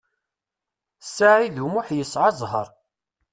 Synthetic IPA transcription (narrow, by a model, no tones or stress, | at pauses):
sːaʕiðumʊħjəsʕazˤɦə̰ɾˤ